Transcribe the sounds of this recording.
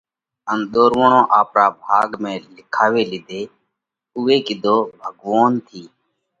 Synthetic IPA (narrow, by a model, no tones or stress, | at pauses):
ənɗ̪oːɾʋoɳõːʔaːpɾaːbʱaːɡmẽːlɪkʰaːʋeːlɪd̪ʱeː | ʊːeːkid̪oːbʱəɡʋoːnt̪ʰiː